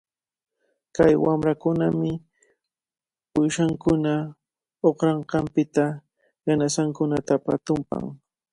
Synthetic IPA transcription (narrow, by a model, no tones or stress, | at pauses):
kajwamɾakʊnamɪ | pʊjʃaŋkʊna | oχɾɑɴqɑmpɪt̪a | janasaŋkʊnat̪apa̰t̪ʊmpa̰ŋ